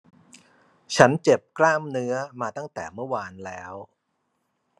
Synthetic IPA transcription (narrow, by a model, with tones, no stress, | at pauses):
t͡ɕʰa˦˥nt͡ɕe˨˩p̚klaː˥˩mnɯ˦˥ɐmaː˧t̪a˥˩ŋt̪ɛ̰ː˨˩mɯ˥˩əwaː˧nlɛː˦˥w